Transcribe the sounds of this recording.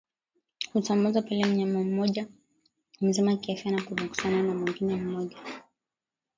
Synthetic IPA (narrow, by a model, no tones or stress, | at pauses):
hutamazapalɛm̩ɲamam̩mɔʄa | umɛs̬ɛmakiafjanakuvuku̥sananamwiŋɡinɛm̩mɔʄa